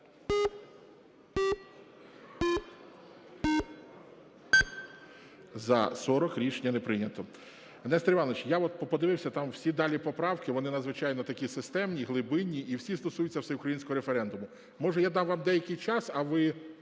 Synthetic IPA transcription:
zɐ̰sɔɾɔkɾʲit͡ʃenʲːɐnepɾɪnʲɐt̪ɔ | ɐnɛst̪ɾʲɪʋɑnʋɪt͡ʃjaɔt̪̚pɔpɔd̪ɪʋɪwsʲɐt̪ɑmw̥sʲid̪ɑlʲipɔpɾɑwkɪʋɔnɪnɐd̪zʋɪt͡ʃɑjnɔt̪ɐkʲisɪst̪ɛmnʲiɦlˠɪbɪnʲːiʔiwsʲist̪ɔsujʊtʲt͡sʲːɐwsɛʊkɾɐjinʲsʲkɔɦɔɾefeɾɛnd̪ʊmʊ | mɔʒɛjad̪ɑwʋɑmd̪ɛjɐkɪjt͡ʃɑsɐʋɪ

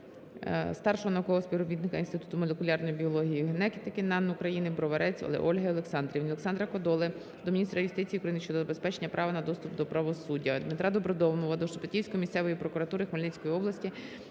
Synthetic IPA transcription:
st̪ɑrʃɔɦɔnɐukɔɦɔspʲiwɾɔbʲit̪nɪkɐinst̪ɪt̪u̥t̪ʊmɔlʲekʊlʲɑrnɔjibʲiɔlˠɔɦʲijiɦnɛkʲɪt̪ɐkɪnɑnukɾɐjinɪbɾɔʋɐɾɛt͡sʲɐ̰lˠɛ̰ʔɔlʲɦɐɔlˠeksɑnd̪ɾʲiwnʲɔlˠeksɑnd̪ɾɐkɔd̪ɔlˠɪ | d̪ɔminʲist̪ɾɐjʊst̪ɪt͡sʲijːukɾɐjinɪʃt͡ʃɔd̪zɐbe̞spɛt͡ʃenʲːɐpɾʔɑʋɐnɐd̪ɔst̪ʊpd̪ɔpɾɐʋɔsudʲːɐd̪mɪt̪ɾɑd̪ɔbɾɔd̪ɔwnɔʋɐd̪ɔʃɔpɪtʲiwsʲkɔjmist̪sɛʋɔjipɾɔkʊɾɐt̪uɾɪxmɐlʲnɛt͡sʲkɔjiɔblˠɐsʲtʲi

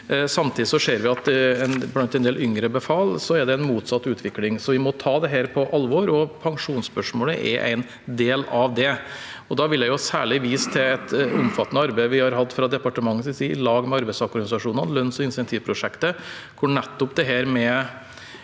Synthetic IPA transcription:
sɑmt̪ʰiːd̪ɪsɔʂeːɾʋɪɑt̪ɛnblɑnt̪ɛɪnd̪eːlʔʏŋɾəbɛfɑːlsɔɛɖ̪ɛæɪnmuːt̪sɑt̪ːʉːt̪ʰʋɪklɪŋsɔʋɪmɔt̪ʰɑːd̪ɛɦæːɾpʰɔʔɑlːʋɔɾɔpʰɑŋʂuːnspœʂmoːləʔɛ̰ɾʔæ̰ɪn | d̪eːlɑʋd̪ɛ | ɔd̪ɑʋɪljæɪʊsæ̰ːɭɪʋiːst̪ʰɪɛt̪ʊ̰mfɑt̪ːənəɑɾbæɪʋɪhɑɾɦɑd̪ːfɾɑd̪ɛpɑʈəmɑŋːəssiːɪlɑːɡmɛɑɾbɛɪsɔɾkɔɾɡɑnɪsɑʂuːnənlœnːsɔɪnsɛnt̪ʰiːʋpʰɾʊʂɛkt̪əkʰʊɳɛt̪ːʊpd̪ɛɦæːɾmɛ

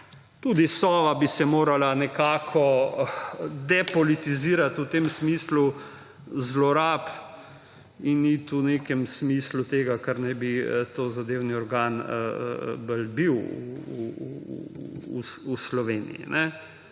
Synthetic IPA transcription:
t̪uːd̪isɔːʋabisɛmoːɾalanɛkaːkʰɔ | d̪ɛpɔlit̪iziːɾat̪ut̪eːmsmiːslu | zlɔɾaːp | init̪uneːkɛmsmiːslut̪eːɡakaɾnajbiət̪oːzad̪eːwniɔɾɡaːn | bəlbiw | uslɔʋeːnḭjḭnʔɛ

